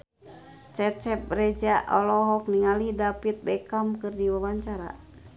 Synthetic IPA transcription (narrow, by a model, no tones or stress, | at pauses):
t͡ʃɛt͡ʃɛp̚rɛd͡ʒaʔɔlɔɦɔk̚niŋalidapit̪̚bɛkamkɨrdiwawaɲt͡ʃaɾa̰